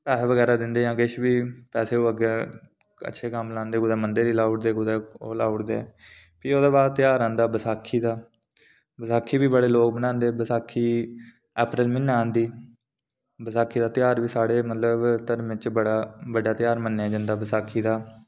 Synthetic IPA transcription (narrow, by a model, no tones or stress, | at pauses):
pɛːɦʋəɡɛːɾaːd̪ɪnd̪eːjãːkɪʃbiːpɛːseːoːəɡeː | ə̰ːʃʰeːkəmlãːnd̪eːɡʊd̪ɛːmənd̪eːɾiːlaːʊʈd̪eːɡʊd̪eːoːlaːʊʈd̪eː | piːoːd̪aːbaːt̪ɪjaːɾãːnd̪aːbəsaːkʰːiːd̪aː | bəsaːkʰːiːbiːbəɽeːloːk̚bənãːnd̪eːbəsaːkʰːiː | ɛːpɾɪlmɪnːãːnd̪iː | bəsaːkʰːiːd̪aːt̪ɪjaːɾʋiːsaːɽeːmət̪ləbt̪əɾmɪt͡ʃbəɽaːbəɖaːt̪ɪjaːɾmənːeãːd͡ʒənd̪aːbəsaːkʰːiːd̪aː